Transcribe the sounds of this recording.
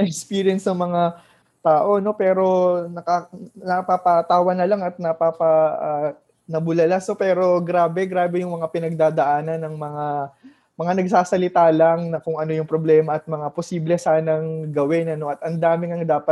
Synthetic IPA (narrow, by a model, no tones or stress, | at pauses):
nɐʔɛkspiːɾjɛnsnɐŋmɐŋa | t̪aːʔo̞no̞pɛːɾo̞nɐkanɐpapɐt̪aːwɐnɐlaŋɐt̪̚nɐpapɐʔ | nɐbʊlɐlasno̞pɛːɾo̞ɡɾaːbɛɡɾaːbɛjʊŋmɐŋapɪnɐɡ̚d̪aːd̪ɐʔaːnɐnːɐŋmɐŋa | mɐŋanɐɡ̚saːsɐlɪt̪aːlɐŋnɐkʊŋɐno̞jʊŋpɾo̞blɛːmɐʔɐt̪̚mɐŋaposiːblɛsaːnɐŋɡɐwɪnɐno̞ʔɐt̪ɐnd̪aːmɪŋɐŋd̪aːpɐt̪̚